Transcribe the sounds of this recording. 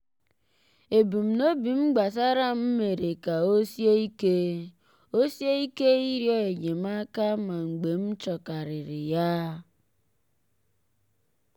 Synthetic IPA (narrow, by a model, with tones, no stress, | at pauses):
e˨bu˨m̩˨no˦bi˨m̩˦ɡ͡ba˨s̬a˦ɾa˦m̩˦me˨ɾe˨ka˨o˦sje˦i˦ke˦ | o˦sje˦i˦ke˦i˦ɾjɔ˦e˨ɲe˨m̩˦a˦ka˦ma˨ŋ͡m̩˨ɡ͡be˨m̩˦t͡ʃɔ˨ka˨ɾɪ˨ɾɪ˨ja˦